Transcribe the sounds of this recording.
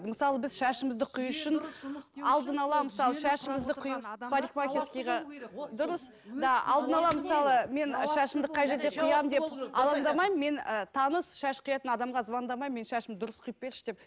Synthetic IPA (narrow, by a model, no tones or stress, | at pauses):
d̪əməsɑlˠəbɪzʃæʃɪmɪzd̪ɪqʰʊjʊʃɪnɑlˠd̪ənɑlˠɑməsɑlˠəʃæʃɪmɪzd̪ɪqʰʊjfaɾixmakʲeskʲijʁɑd̪ʊɾəs | d̪ɑɑ̰lˠd̪ənɑlˠɑməsɑlˠəme̞nʃæʃɪmd̪əqʰɑjʒe̞ɾd̪e̞qʰʊjɑmd̪e̞p̚ɑlˠɑnd̪ɑmɑjmmːe̞nət̪ʰɑnəsʃæʃqʰʊjɑt̪ənɑd̪ɑmʁɑzbɑnd̪ɑmɑjme̞nʃæʃɪmd̪ʊɾəsqʰʊjəp̚pe̞ɾɪʃd̪e̞p̚